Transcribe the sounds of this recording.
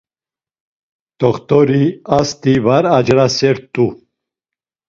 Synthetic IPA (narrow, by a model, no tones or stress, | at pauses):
t̪ʼɔχt̪ʼɔɾiast̪ʼivaɾad͡ʒɾasɛɾt̪ʼu